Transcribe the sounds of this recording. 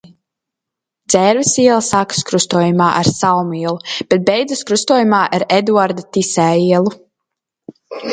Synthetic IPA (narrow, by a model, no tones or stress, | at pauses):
d̪zɛɾvɛsiɛlˠsakɨ̥skɾust̪uɔjumaːʔa̰ɾsawmiɛlˠub̥ɛt̪̚bɛjd̪zɨskɾust̪uɔːjumaːʔaɾɛd̪uaɾd̪at̪isɛːiɛlˠu